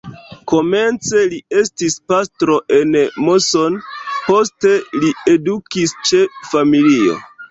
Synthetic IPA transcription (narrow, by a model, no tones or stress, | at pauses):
ko̞me̞nt͡se̞lie̞stispastɾo̞ʔe̞nmoso̞npo̞ste̞lie̞dukist͡ʃe̞familio̞̰